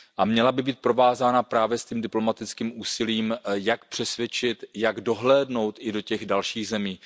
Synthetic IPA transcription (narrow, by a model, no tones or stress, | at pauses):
ʔamɲɛlabɪbiːt̪̚pɾo̞vaːzaːnapɾaːvjɛsc̪iːmdɪplo̞mat̪ɪt͡skiːmʔuːsɪliːmjakpr̝̥ɛsvjɛt͡ʃɪt̪jaɡdo̞ɦlɛːdno̞wt̪ʔɪdo̞cɛɣdalʃiːɣzɛmiː